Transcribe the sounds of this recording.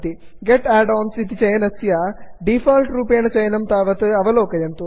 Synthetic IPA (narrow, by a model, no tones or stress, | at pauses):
t̪i | ɡeʈæːɖɔːnsit̪it͡ʃɐjɐnɐsjaːɖifɐːlʈɾuːpeːnɐt͡ʃɐjɐnɐmt̪aːʋɐt̪ɨɐʋɐloːkɐjɐnt̪u